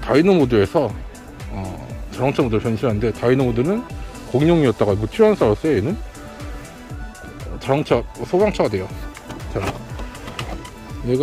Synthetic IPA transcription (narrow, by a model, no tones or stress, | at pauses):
tainɯmodɯe̞sʰʌ | ʌt͡ɕaɾaŋt͡ɕʰʌmodɯɭpʰjʌnɕʰiɾɦanɯnde̞tainɯmodɯnɯn | koŋɲoŋiʌt̚t͈aɡajobot͡ɕʰiɦans͈aɾos͈ɯeenɯn | t͡ɕaɾaŋt͡ɕʰasʰoɡaŋt͡ɕʰʌɡadwe̞jo | t͡ɕaɡa | neɡ